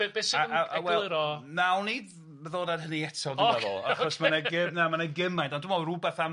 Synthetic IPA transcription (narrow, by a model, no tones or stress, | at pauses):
besaaʔawɛlˠɾɔnawnid | məðoːdad̥həniɛtʰɔdɪaðɔ̰aχɔsmanaɡɪnamanaɡɪmajntɔndɪmɔrubɛθam